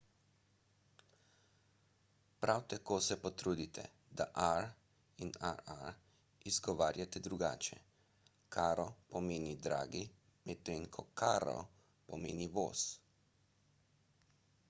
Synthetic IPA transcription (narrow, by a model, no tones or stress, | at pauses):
pɾawt̪akoːsɛpɔt̪ɾuːd̪it̪ʰɛ̰ | d̪aʔaɾ | inaɾaɾ | izɡɔʋaːɾjat̪ɛd̪ɾuɡa̰ːt͡ʃɛ̰ | kʰaːɾɔpɔmeːnid̪ɾa̰ːɡi | mɛt̪eŋkʰɔkʰaːɾɔ̰ | pɔmḛːniʋo̰ːs